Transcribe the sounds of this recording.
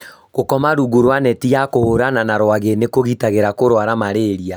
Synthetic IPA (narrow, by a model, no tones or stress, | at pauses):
ɣokɔmaɾuɣuɾwanɛtijakohoɾananaɾwaɣenekoɣitaɣeɾakoɾwaɾamaɾeɾia